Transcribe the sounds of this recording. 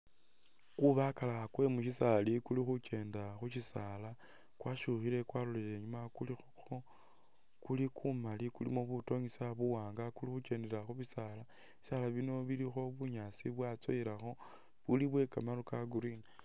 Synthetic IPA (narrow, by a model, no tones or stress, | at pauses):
kuβakalakwe̞muʃisalikulixuce̞ːndaxuʃisaːla | kwaʃuxile̞kwaːlulele̞ɲumakulix | xo | kulikʰumalikulḭmoβuto̞ɲisaβuwaːŋɡakulixut͡ʃe̞ːndeɾaxuβisaːla | i̥salaβino̞βilixo̞βuɲat͡siβwat͡so̰iɾaxo̞ | βuliβwe̞kamaɾokaɡuɾini